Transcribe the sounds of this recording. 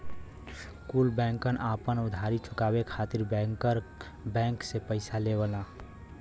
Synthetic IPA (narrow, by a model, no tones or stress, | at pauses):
kulbɛ̃ŋkənʔapənud̪ʱaɾit͡ʃʰukabekʰat̪iɾbɛŋkəɾ | bɛ̃ŋksepəɪsalebəla